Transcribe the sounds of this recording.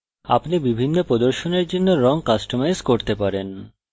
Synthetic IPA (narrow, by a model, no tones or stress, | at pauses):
a̰pnibibʱinːopɾod̪oɾʃoneɾd͡ʑonːoɾɔŋkasʈomajskoɾt̪epaɾen